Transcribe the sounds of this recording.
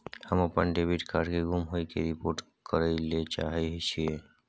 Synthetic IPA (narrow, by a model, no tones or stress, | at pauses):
həməpənɖebiʈkaɾɖkeɡumɦoikeɾipoːɾʈ | kəɾəlet͡ʃa̰ɦɛɦt͡ʃʰie